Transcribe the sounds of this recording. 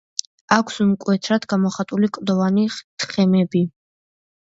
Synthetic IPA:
akʰsmkʼwɛt̪ʰɾad̪ɡamɔχat̪ʼulikʼd̪ɔvaniχt̪ʰχɛmɛbi

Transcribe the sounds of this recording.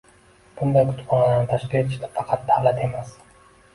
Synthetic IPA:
b̥und̪ajkʰʊt̪qɑnɑlˠaɾnɪt̪ʰaʃkʲile̞t̪ʰɪ̥ʃt̪afɑqʰɑt̪̚d̪aːlˠat̪e̞mas

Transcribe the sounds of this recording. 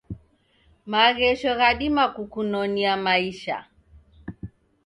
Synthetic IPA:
maɣɛʃɔɣaɗimakukunɔniamaiʃa̰

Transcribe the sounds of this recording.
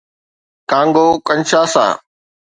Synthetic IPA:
kãːŋɡoːkəɲʃaːsã̰ː

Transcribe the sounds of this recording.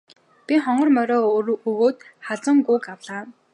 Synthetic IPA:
pʲiχɔɴɢɞ̆rmœɾɔːɵɣoːt̪χaɮt͡sə̆ŋɡʊkawɮaː

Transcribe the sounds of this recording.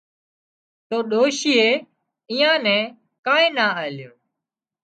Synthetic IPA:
t̪oːɗoːʃiːeː | iːjãːnɛ̃ː | kãːẽːnaːəɪlɪjũː

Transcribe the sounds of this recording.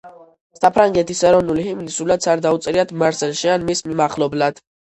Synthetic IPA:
sapʰɾaŋɡɛt̪ʰisɛɾɔvnulihimlisulad̪sʰaɾd̪aut̪sʼɾiad̪ʰmaɾsɛlˠʃianmismimaχlɔblad̪̥

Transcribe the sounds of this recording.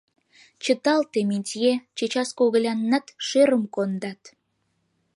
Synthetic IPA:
t͡ɕə̆t̪ɑlt̪eminʲtʲjet͡ɕet͡ɕɑskoɣə̆lʲɑnːɑt̪ʃeɾəmkond̪ɑt̪

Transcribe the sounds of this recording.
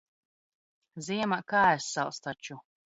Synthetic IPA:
ziɛmakaːɛsːalˠst̪at͡ʃu

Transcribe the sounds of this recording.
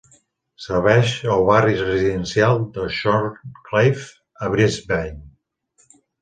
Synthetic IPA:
səɾβ̞ɛʃəlˠβarisrəziðənsialˠd̪əʃɔɾklejf | əβɾizbɛn

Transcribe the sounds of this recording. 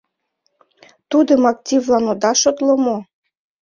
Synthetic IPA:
t̪ud̪ə̆mɑk̚t̪ʲivlˠɑnod̪ɑʃot̪lˠŏmo

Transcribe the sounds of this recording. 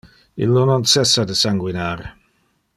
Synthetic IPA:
ḭlːonɔnsɛsːad̪əsaŋɡwinaːɾ

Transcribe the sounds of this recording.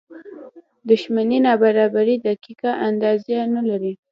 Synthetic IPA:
d̪ʊʃmaninɑbaɾɑbaɾid̪akikaʔand̪ɑzanalaɾi

